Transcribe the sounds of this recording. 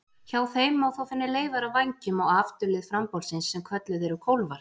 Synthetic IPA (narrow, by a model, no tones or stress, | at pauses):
çaːwθejmawθowfɪnːɪleːjvaɾavajɲcɪmawaft̪ʏlɪðfɾampowlsɪnsːɛmkʰvœt̪lʏðɛɾʏkʰowlvaɾ